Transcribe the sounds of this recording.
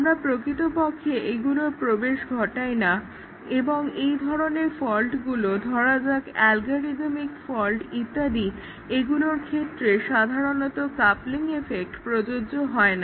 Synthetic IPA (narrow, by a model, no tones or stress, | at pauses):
amɾapɾokɾit̪opokʰːeʔeɡuloɾpɾobeʃɡʱɔʈajna | eboŋejd̪ʱɔɾoneɾfɔlʈɡulod̪ʱɔɾad͡ʑakɛlɡoɾid̪mikfɔlʈit̪ːad̪i | eɡuloɾkʰet̪ːɾeʃad̪ʱaɾonɔt̪okapliŋefek̚ʈpɾod͡ʑod͡ʑoɦɔena